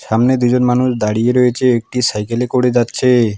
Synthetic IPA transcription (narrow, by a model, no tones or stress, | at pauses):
ʃamned̪ud͡ʑonmanuʃd̪aɽijeɾɔjet͡ɕʰeek̚ʈisajkelekoɽed͡ʑatːɕʰe